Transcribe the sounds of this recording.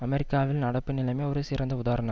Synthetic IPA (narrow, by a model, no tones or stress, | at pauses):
ɐmɛɾɪkːaːʋɪlnɐɽɐpːɯnɪlɐmeːɔɾɯsɪɾɐnd̪ɐʊðaːɾɐnɐ̃m